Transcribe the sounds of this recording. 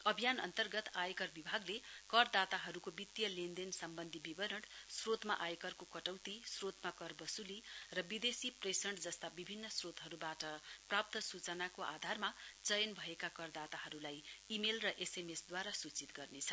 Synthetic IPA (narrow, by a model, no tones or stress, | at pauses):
ʌbʱijanʌ̰nt̪ʌrɡʌt̪ajkʌrbibʱaɡlekʌɾd̪at̪aɦʌɾukobit̪jʌlend̪ensʌmbʌnd̪ʱibibʌɾʌɽsrot̪maʔajkʌrkokʌʈʌwt̪isrot̪makʌrbʌsulirʌbid̪esipresʌɳʈd͡zʌst̪abibʱinːʌsrot̪ɦʌɾubaʈʌprap̚t̪ʌsut͡sʌnakoʔa̰d̪ʱarmat͡sʌjʌnbʱʌekakʌrd̪at̪aɦʌɾulajimelrʌʔesemesd̪waɾasut͡sit̪ɡʌrnet͡sʰʌ